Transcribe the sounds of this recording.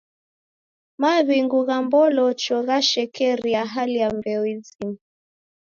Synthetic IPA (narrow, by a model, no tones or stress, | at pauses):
maβiŋɡuɣambɔlɔt͡ʃɔɣaʃɛkɛɾiaɦalijambɛɔwizim